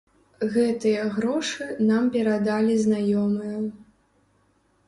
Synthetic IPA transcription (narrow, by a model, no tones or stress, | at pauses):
ɣɛt̪ɨjɐɣɾɔʂɨnampʲɛɾad̪alʲiznajɔmɨjɐ